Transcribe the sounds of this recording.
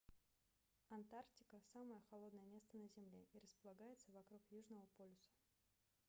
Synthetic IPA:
ɐnt̪arktʲɪkəsaməjəxɐlˠo̞d̪nəjəmʲe̞st̪ənəzʲɪmlʲeʔiɾəspəlˠɐɡajɪt̪səvɐkɾukjuʐnəvəpolʲɪsə̥

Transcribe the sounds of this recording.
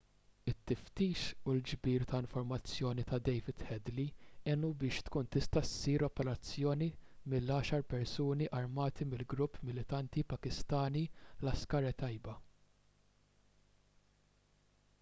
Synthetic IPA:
ɪt̪ːɪft̪iːʃuld͡ʒbiːɾt̪ɐɪɱfɔɾmɐt͡sːjɔːnit̪ɐd̪ɛjvɪd̪hɛd̪liɛnubɪːʃt̪kuːnt̪ɪst̪ɐsiːɾɔpɛɾɐt͡sːjɔːnimɪlːɐːʃɐɾpɛɾsuːniʔɐɾmɐːt̪imɪlɡɾʊpːmɪlɪt̪ɐnt̪ipɐkɪst̪ɐːnilɐskɐːɾɛt̪ɐjbɐ

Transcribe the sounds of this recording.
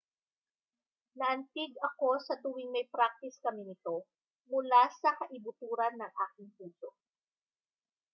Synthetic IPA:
nɐʔɐnt̪ɪɡ̚ɐko̞sɐt̪uwɪŋmɐjpɾak̚t̪ɪskɐmɪnɪt̪o̞ | mʊlasɐkɐʔɪbʊt̪uːɾɐnːɐŋʔaːkɪŋpuːd͡ʒo

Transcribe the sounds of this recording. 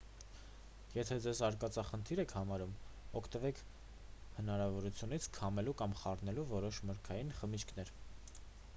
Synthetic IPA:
jɛt̪ʰɛd͡zɛzɑɾkɑt͡sɑχənt̪ʰiɾɛkʰhɑmɑɾumɔkʰt̪əvɛkʰ | hənɑɾɑvɔɾut͡sʰjunit͡sʰkʰɑmɛlukɑmχɑrnɛluvɔɾɔʃməɾkʰɑjinχəmit͡ʃʰkʰnɛɾ

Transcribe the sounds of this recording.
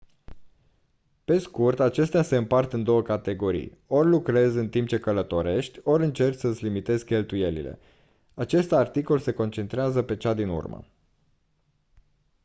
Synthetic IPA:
pe̞skurt̪at͡ʃe̞st̪ease̞ɨmpart̪ɨnd̪o̞wəkat̪e̞ɡo̞ɾḭjo̞rʲlukɾe̞zɨnt̪imp̚t͡ʃe̞kələt̪o̞ɾe̞ʃt̪ʲo̞ɾɨnt͡ʃe̞rksəɨsʲlimit̪e̞zkʲe̞lt̪uje̞lḭle̞̰ | at͡ʃe̞st̪art̪iko̞lse̞ko̞nt͡ʃe̞nt̪ɾeazəpe̞t͡ʃad̪inṵrmə̰

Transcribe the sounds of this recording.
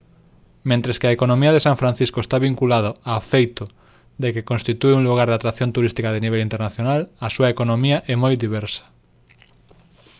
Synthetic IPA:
mẽnt̪ɾeskeɐekonõmiɐðesaɱfɾãn̟θiskoest̪aβiŋkulað̞oafejt̪ʊ | d̪ekekõnst̪it̪ueuŋluɣ̞aɾðat̪ɾaθjont̪uɾist̪ikaðeniβɛlint̪eɾnaθjonalɐsuɐekonomiɐʔɛmojd̪iβ̞ɛɾsɐ̥

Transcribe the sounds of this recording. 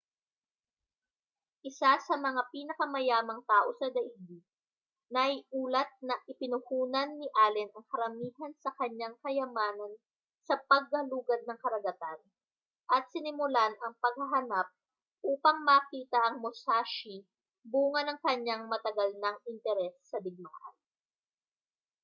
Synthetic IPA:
ʔɪsasɐmɐŋapiːnɐkɐmɐjaːmɐŋt̪aːʔo̞sɐd̪ɐʔiɡi | nɐjʔuːlɐt̪̚nɐʔɪpɪnʊhuːnɐnːɪʔaːlɛnɐŋkɐɾɐmiːhɐnsɐkɐɲaŋkɐjɐmaːnɐn | sɐpɐɡ̚hɐluːɡɐd̪̚nɐŋkɐɾɐɡɐt̪an | ʔɐt̪̚sɪnɪmʊlanɐŋpɐɡ̚hɐɦɐnap̚ | ʔuːpɐŋmɐɐkiːt̪ɐʔɐŋmosaːʃi | buːŋɐnɐŋkɐɲːaŋmɐt̪ɐɡɐlnɐŋɪnt̪ɛɾɛsːɐd̪ɪɡ̚ma̰ːʔɐ̰n

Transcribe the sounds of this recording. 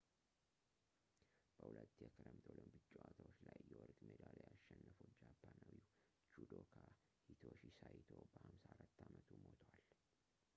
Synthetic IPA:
b̥əhulət̪ːjɛkʰəɾəmt̪ʰoləmbɨt͡ʃʼːɛwat̪ʰawot͡ʃːlajːɛwɔɾkʼmed̪alajaʃːɛnːəfud͡ʒapʰːanawi | t͡ʃud̪okʰa | hit̪ʰoʃisajt̪ʰobəhamsaaɾat̪ːamət̪ʰumot̪ʰwal

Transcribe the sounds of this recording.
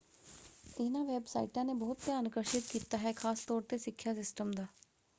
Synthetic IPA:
ɪnãʋeːbsa̰ːɪʈãːnebɔːʊt̪̚pjaənkəɾʃɪt̪kiːt̪aɦɛkʰaːst̪ɔːɾt̪esɪkʰːjasɪsʈəmd̪aː

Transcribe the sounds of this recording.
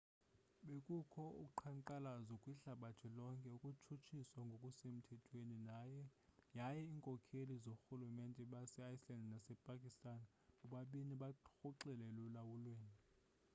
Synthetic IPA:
ɓekʼukʰɔṵǃʰaŋǃalazɔkʼwiɬaɓatʰɛlɔŋkʼɛukʼut͡ʃʰut͡ʃʰiswaŋɡʱokʼusem̩tʰɛtʼʰweninajɛjajɛiːŋkʼɔkʰelizoxulumɛntʼɛɓasɛajislandnasɛpʼakʼistʼan | uɓaɓiniɓaxɔǁɛlɛlulawulweːni

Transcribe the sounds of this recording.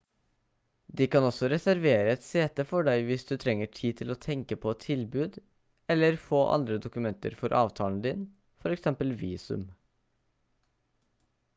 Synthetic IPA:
d̪ɪkɑnɔsɔɾɛsæɾʋeːɾəɛt̪seːt̪əfɔɖæɪʋɪsd̪ʉt̪ʰɾɛŋːəʈʰiːt̪ʰɪloːt̪ʰɛŋkəpʰɔt̪ʰɪlbʉːd̪ | ɛlːəɾfoːʔɑ̰nd̪ɾəd̪ʊkʉmɛnt̪ə̰ɾfɔɾʔɑ̰ːʋt̪ʰɑːlnd̪ɪn | fɔɾɛksɛmpəlʋiːsʉ̰m

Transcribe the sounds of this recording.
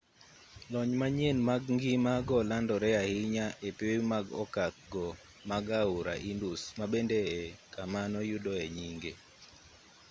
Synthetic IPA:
lɔɲmaɲenmaɡŋɡimaɡɔlandɔɾɛahiɲaʔepmaɡɔ̰kakɡɔ | maɡauɾa̰ʔindusmabendeɛkamanɔjudɔɛɲiŋɡe

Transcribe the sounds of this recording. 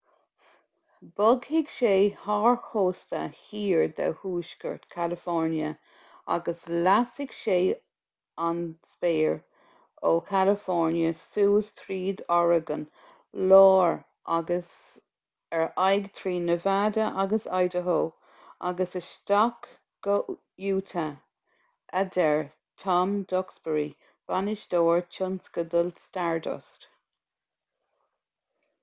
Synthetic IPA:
b̥ʊɡhɪɡʃeːhɑːɹxoːst̪ə̰hiːɹd̪a̰whuːʃkə̰ɹt̪kʰalɪfɔɹnjə | a̰ɡəslasɪɡ̥ʃeː | anspeːɹ | oːkʰalɪfɔɹnjəsuːst̪ʰɾiːd̪ɔɹəɡən | lɔːɹ | ʔaɡəs | ɛɹajɡt̪ʰɹiːnəvaːdəʔaɡəsajdəɦoː | ʔa̰ɡəsəstɔk | ɡ̥o | juːtʰə | ʔadɛɹ | tʰɑmd̪ɔksbəɹi | v̥anɪʃd̥̪oːɹt͡ʃʰʊnskədəlstaɹdɔ̰st

